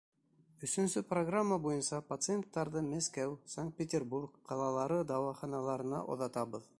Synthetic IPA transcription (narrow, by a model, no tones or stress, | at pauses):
ɵ̆sɵ̆nsɵproɡramːəbujɤnsɑpɐt̪sɨent̪ːɑɾðɤmæskæwsaŋk̚t̪̚pʲetʲerburkːɑlˠɑlˠɑɾɤd̪ɑwɑχɑnɑlˠɑɾɤ̆nɑ̰ʔo̰ðɑt̪ɑβɤð